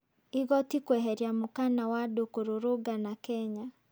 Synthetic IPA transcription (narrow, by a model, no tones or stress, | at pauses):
iɣɔtikwɛɦɛɾjamukanawadokoɾoɾoɡanakɛɲa